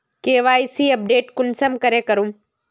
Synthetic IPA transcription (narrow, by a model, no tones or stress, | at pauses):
keːʋaːisiɐp̚ɖeːʈkʊnsəmkɐɾekɐɾũm